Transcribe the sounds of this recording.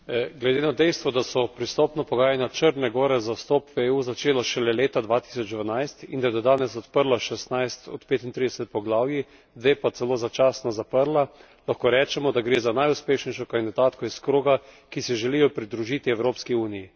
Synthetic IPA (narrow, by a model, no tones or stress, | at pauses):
ɡlɛd̪enad̪ɛjst̪ʋɔd̪asɔpɾist̪oːpnɔpɔɡaːjanjat͡ʃəɾnɛɡɔːɾɛzawst̪ɔːpʋeːuːzat͡ʃeːlaʃɛlɛleːt̪ad̪ʋaːt̪i̥sɔd͡ʒd̪ʋanajst̪ind̪ajɛd̪ɔd̪aːnɛsɔt̪pəɾlaʃɛst̪najst̪ɔ̰t̪peːt̪int̪ɾid̪ɛsɛt̪̚pɔɡlaːwji | d̪ʋeːpat̪sɛloːzat͡ʃaːsnɔzapəɾla | laxkoɾɛːt͡ʃɛmɔd̪aɡɾeːzanajuspeːʃnɛjʃɔkand̪id̪aːt̪kɔiskɾoːɡakisɛʒɛlijɔpɾid̪ɾuʒiːt̪iɛwɾoːpskiuːniji